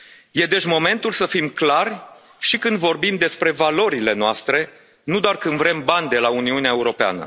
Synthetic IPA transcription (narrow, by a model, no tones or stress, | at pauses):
je̞d̪e̞ʃʲmo̞me̞nt̪ulsəfimklarʲ | ʃikɨnd̪vo̞rbimd̪e̞spɾe̞valo̞ɾile̞noast̪ɾe̞ | nud̪oarkɨnd̪vɾe̞mband̪e̞launiuneaeuɾo̞pea̰nə̰